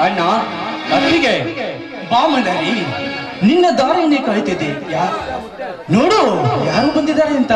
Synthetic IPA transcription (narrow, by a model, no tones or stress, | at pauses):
ɐnaɐɾʋiɡe | baːmɐd̪aːɾi | ninːɐd̪aːɾɐɐneːkaːjt̪id̪eːja | noːɽujaːɾuːbɐnd̪id̪aːɾeɐnt̪ɐ